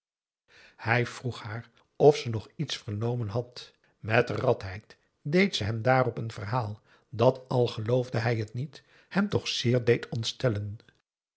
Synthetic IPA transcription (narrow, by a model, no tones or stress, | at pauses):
hɛjv̥ruχhaːr | ɔfsənɔχitsfəɹnowmənɦɑt | mɛtrɑtɦɛjt | dejtsəɦɛmdaːrɔpənvərɦaːlˠ | dɑtɑlˠχəlowvdəɦɛjɦətnit | hɛmtɔχsɪːɹdejtʰɔntstɛlən